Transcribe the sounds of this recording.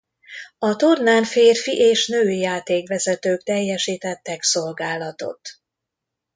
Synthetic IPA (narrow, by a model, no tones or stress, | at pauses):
ɒt̪ornaːnfeːrfiʔeːʃnøːjaːt̪eːkʋɛzɛt̪øːkt̪ɛjːɛʃiːt̪ɛt̪ːɛkso̞lɡaːlɒt̪o̞̰t̪